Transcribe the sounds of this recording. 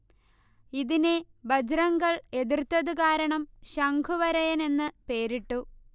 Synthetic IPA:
iðine | bɐd͡ʑɾɐŋɡɐɭe̞ðirt̪ːɐðukaːɾɐɳɐmɕɐŋɡʱuʋɐɾɐjɐne̞nːɨpe̞ːɾiʈːu

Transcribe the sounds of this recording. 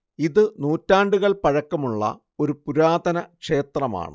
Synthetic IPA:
iðɨnuːtːaːɳɖuɣɐɭpɐɻɐkːɐmuɭːɐ̰ | o̞ɾupuɾaːd̪ɐnɐkʂe̞ːt̪rɐma̰ːɳɨ

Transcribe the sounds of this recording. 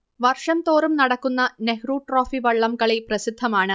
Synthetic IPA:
ʋɐrʂɐmt̪o̞ːrumnɐɽɐkːunːɐnehruːʈroːfiʋɐɭːɐmɡɐɭeprɐsid̪ʱːɐmaːɳɨ

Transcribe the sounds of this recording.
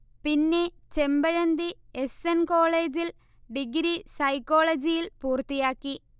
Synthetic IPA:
pinːe̞t͡ɕe̞mbɐɻɐnd̪iesenko̞ːɭeːd͡ʑil | ɖiɡɾisɐjkːo̞ːɭɐd͡ʑijilpuːrt̪ːijaːkːi

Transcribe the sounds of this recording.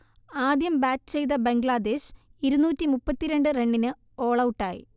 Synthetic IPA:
aːd̪jɐmbaːtːt͡ɕejd̪ɐbeŋɡɭad̪e̞ːɕiɾunuːtːimupːɐt̪ːiɾe̞ɳɖɨre̞ɳɖinɨ | o̞ːɭɐwʈːaːjḭ

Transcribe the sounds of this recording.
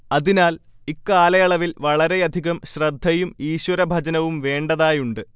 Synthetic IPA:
ɐðinaːl | ikːaːlɐjɐɭɐʋilʋɐɭɐɾe̞ɐd̪ʱiɣɐmɕrɐd̪ʱːɐjumiːɕwɐɾɐbʱɐd͡ʑɐnɐʋumʋe̞ːɳɖɐðaːjuɳɖɨ

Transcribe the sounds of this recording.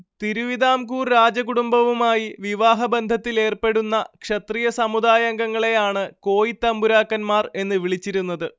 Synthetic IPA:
t̪iɾuʋiðaːmkuːrɾaːd͡ʑɐkuɽumbɐʋumaːjiʋiʋaːɦɐbɐnd̪ʱɐt̪ːile̞ːrpe̞ɽunːɐkʂɐt̪riːjɐsɐmud̪aːjɐŋɡɐŋːɐɭe̞jaːɳɨko̞ːjit̪ːɐmbuɾaːkːɐnmaːre̞nːɨʋiɭit͡ɕːiɾunːɐðɨ

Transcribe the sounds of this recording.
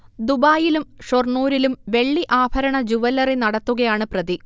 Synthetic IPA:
d̪ubaːjilumʂorɳuːɾilumʋe̞ɭːiʔaːbʱɐɾɐɳɐd͡ʑuʋɐlɐrenɐɽɐt̪ːuɣɐjaːɳɨprɐði

